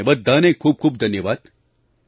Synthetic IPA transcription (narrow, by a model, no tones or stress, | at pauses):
əʋaːd̪̚ːaːnẽkʰuːb̚kʰuːb̚d̪ʱɐnjəʋaːd̪